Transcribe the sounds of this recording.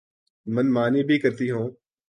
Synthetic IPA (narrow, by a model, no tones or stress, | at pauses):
mənmaːniːbʱiːkəɾt̪iːɦõː